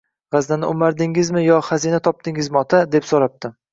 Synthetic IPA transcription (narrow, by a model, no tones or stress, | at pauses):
ʁɑzd̪anɪʔʊmaɾd̪ɪŋɪzmɪjɒχazinat̪ʰɒp̚t̪ɪŋɪzmɪɒt̪ʰad̪e̞psoɾap̚t̪ɪ